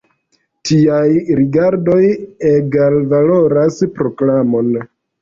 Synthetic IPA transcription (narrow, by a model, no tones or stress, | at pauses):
tiajɾiɡaɾdo̞jeɡalvalo̞ɾaspɾo̞klamo̞n